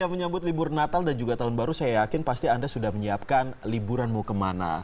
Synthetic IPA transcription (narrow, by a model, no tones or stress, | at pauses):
jaməɲambʊt̪libʊrnat̪aldand͡ʒuɡat̪aɦʊnbaɾusajajakɪnpast̪iandasudahməɲiap̚kanlibuɾanmukəmana̰